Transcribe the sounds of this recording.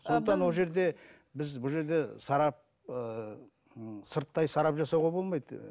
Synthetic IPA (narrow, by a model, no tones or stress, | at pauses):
so̞nd̪ət̪ɑnwo̞lˠʒe̞ɾd̪e̞ | bɪzbʊlˠʒe̞ɾd̪e̞sɑɾɑp̚ | ə | səɾt̪ːɑjsɑɾɑpʒɑsɑwʁɑbo̞lˠmɑjd̪